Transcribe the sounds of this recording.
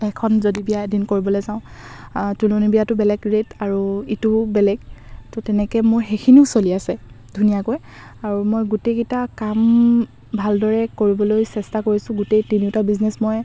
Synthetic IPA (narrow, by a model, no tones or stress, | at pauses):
ɛkʰɔnzodibijaedinkoɹibɔlojzãʊ̃ | tulonibijatʊbɛlɛɡɹetaɹuitubɛlɛɡ̚tɔtɛnɛkɛmʊɹxekʰiniʊsoliasɛ | dʱunijakoj | aɹumojɡutekitakam | bʱaldɔɹɛkoɹibɔlojsɛstakoɹisʊ̃ɡutejtiniʊtabiznesmoj